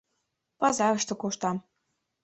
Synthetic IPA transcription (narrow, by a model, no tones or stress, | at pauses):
pɑzɑɣɤ̆ʃt̪ɤ̆kuʃt̪ɑm